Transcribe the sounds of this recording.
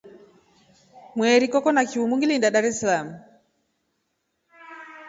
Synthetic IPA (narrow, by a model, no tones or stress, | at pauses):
mwɛɾikɔkɔnakiumuŋɡilindaɗaɾɛsalamu